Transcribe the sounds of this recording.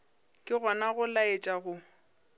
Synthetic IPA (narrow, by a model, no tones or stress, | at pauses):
kʼɪɣɔnaɣʊlaet͡ʃʼaɣʊ